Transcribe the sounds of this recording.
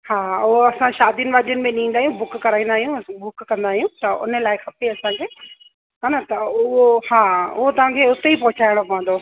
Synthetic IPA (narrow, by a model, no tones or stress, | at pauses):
haːʊɦoɐsãʃaːd̪ijʊnɪ̆ʋaːd̪ijʊnɪ̆mẽɗɪĩːnd̪aːɦijũbʊkkɐɾaːĩn̆d̪aːɦijũbʊkkɐ̃nd̪aːɦijũt̪ɐʊ̰nəlaːɪxɐpeɐsãkʰeː | ɦanat̪ɐʊɦohaːʊ̰ɦot̪ɐʋ̤ãkʰeʊt̪eipɐɦʊt͡ɕaːɪɽ̃opɐʋə̃nd̪o